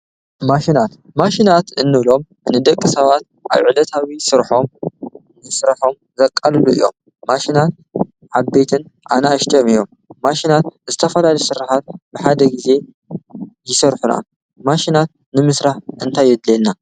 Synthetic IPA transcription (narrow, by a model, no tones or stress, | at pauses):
maʃinat̪ | maʃinat̪ɨnːɨβlo̞m | nɨd̪ɐkʼːɨsɐβat̪̚ | ʔa̰βʕɨlɐt̪ʰawisɨɾħo̞m | nɨsɾaħo̞m | zɐkʼːalɨluɨ̰jːo̰mː | aʃinat̪̚ | ʕaβbe̞t̪ʰɨnʔa̰naːʃt̪ʼijomijːo̞mː | aʃinat̪zɨt̪ʰɐfɐlalɐsɨɾaħat̪̚bɨħad̪ɐɡize̞ | jɪsɐɾħuna̰ | maʃinat̪̚ | nɨmɨsɾaħʔɨnt̪ʰajːɛd̪lelna